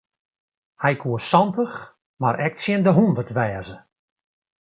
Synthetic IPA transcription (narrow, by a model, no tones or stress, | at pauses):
hɛjkʰuːəsɑntəx | maɾʔɛk̚tsjɪndəɦundərtʋɛːzə